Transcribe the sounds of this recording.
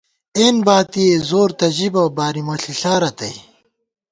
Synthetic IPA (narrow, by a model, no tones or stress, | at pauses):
eːnbaːt̪iezoːɾt̪ɐʑibɐbaːɾimɐɬiɬaːɾɐt̪ɐ̰j